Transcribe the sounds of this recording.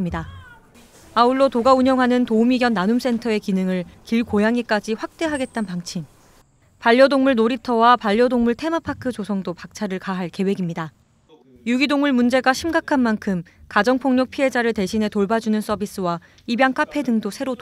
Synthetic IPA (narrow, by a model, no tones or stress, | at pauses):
ɲida | auɭːotoɡauɲjʌŋɦanɯntoumiɡjʌnːanums͈e̞ntʰʌe̞kinɯŋɯɭkiɭkojaŋik͈ad͡ʑiɸwak̚t͈e̞ɦaɡe̞t̚t͈anpaŋt͡ɕʰim | paʎːʌdoŋmuɭnoɾitʰʌwapaʎːʌdoŋmuɭtʰe̞mapʰakʰɯt͡ɕosʰʌŋdopak̚t͡ɕʰaɾɯɭkaɦaɭke̞we̞ɡimɲida | juɡidoŋmuɭmund͡ʑe̞ɡaɕʰimɡakʰanmankʰɯmkad͡ʑʌŋpʰoŋɲʌk̚pʰiɦe̞d͡ʑaɾɯɭte̞ɕʰine̞toɭbad͡ʑunɯns͈ʌbis͈ɯwa | ibjaŋkʰapʰe̞dɯŋdosʰe̞ɾot